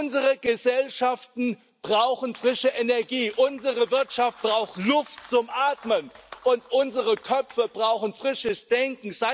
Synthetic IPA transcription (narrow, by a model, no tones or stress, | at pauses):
ʊnzəʁəɡəzɛlʃaftn̩ | b̥ʁaʊxn̩fʁ̥ɪʃəʔɛnɛɐɡiːʔʊnzəʁəvɪɐtʃaft̚b̥ʁaʊxtlʊftt͡sʊmʔaːtmənʔʊntʔʊnzəʁəkʰœp͡fəbʁaʊxn̩fʁ̥ɪʃəsd̥ɛŋkŋ̩z̥a